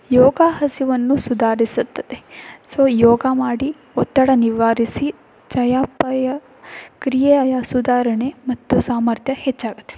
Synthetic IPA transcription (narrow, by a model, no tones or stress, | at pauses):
joːɡaːɦɐsiʋɐnːusud̪ʱaːɾisut̪ːɐt̪esoːjoːɡamaːɽi | ɔt̪ːɐɽɐniʋaːɾisi | t͡ʃɐjaːpɐjɐ | kɾijɐjɐsud̪aːɾɐɳemɐt̪ːusaːmɐɾt̪ʰjɐhet͡ʃːaːɡɐt̪ːe̥